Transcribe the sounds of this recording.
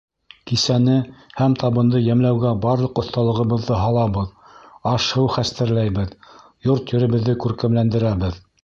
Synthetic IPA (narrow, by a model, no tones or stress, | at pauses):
kisænɘhæmt̪ʰɑβɤ̆nd̪ɤjæmlæwɡæbɑɾlˠɤ̆qŏθt̪ɑlˠɤ̆ʁɤ̆βɤ̆ðːɤɦɑlˠɑβɤð | ɑʃhɤwχæst̪ɘ̆ɾlæjβɘð | joɾt̪jɵ̆ɾɘ̆βɘ̆ðːɘkʉɾkæmlænd̪ɘ̆ɾæβɘð